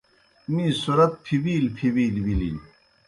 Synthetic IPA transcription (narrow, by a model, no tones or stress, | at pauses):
miːsuɾɐt̪̚pʰibiːlpʰibiːlwilḭl